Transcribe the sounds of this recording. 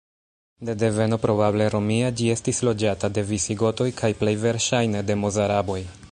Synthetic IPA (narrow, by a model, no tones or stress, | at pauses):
de̞de̞ve̞no̞pɾo̞bable̞ɾo̞miad͡ʒie̞stislo̞d͡ʒatade̞visiɡo̞to̞jkʰajple̞jve̞ɾʃajne̞de̞mozaɾabo̞j